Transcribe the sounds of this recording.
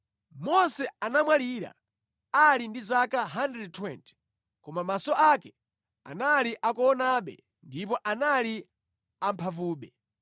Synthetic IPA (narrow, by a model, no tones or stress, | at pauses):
mɔsɛanamwaliɾa̰ | alindizakaɦandɛd̚tʰwɛntʰɛ̥ | kɔmamasɔʔakɛ | a̰naliʔakɔːnaɓɛ̰ | ndip̬ɔʔanali | am̩pʰavuːɓɛ